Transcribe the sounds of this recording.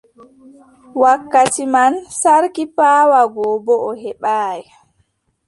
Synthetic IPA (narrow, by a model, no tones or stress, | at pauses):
wakːatimansaɾkipaːwaɡɔːbɔɔhɛɓaːjɛ